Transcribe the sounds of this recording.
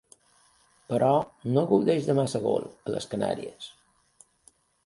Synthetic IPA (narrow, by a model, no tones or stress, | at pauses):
pəɾʔɔnoɣəwðeʒðəmasəɣo̰lˠələ̰skəna̰ɾiəs